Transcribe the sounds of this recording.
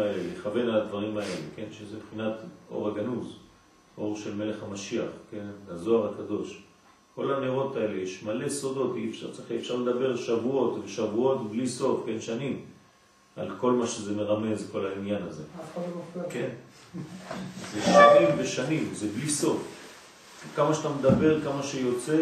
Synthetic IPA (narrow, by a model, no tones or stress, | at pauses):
eleleχave̞nalad̪vaʁimae̞lḛke̞nʃezebχinat̪ʔo̞̰ʁaɡanuz | o̞ʁʃe̞lme̞le̞χhamaʃiaχke̞nazo̞aʁakad̪o̞ʃ | ko̞laneʁo̞t̪ae̞le̞jeʃmale̞so̞do̞t̪ifʃa̰ʁt͡sχiefʃaʁled̪abe̞ʁlʃavuo̞tveʃavuo̞t̪bliso̞fke̞nʃanim | a̰lko̞lmaʃezeme̞ʁame̞zko̞lainjanaze̞ | ke̞n | zeʃanimveʃanimzebliso̞f | kamaʃat̪amed̪abe̞ʁkamaʃejo̞t͡se̞